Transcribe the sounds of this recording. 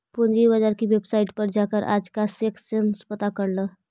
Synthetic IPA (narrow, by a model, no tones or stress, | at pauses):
pʊnd͡ʒibəd͡ʒaːɾkiʋebsaːɪʈpəɾd͡ʒaːkəɾʔa̰ːd͡ʒkaseːksenspət̪akəɾləː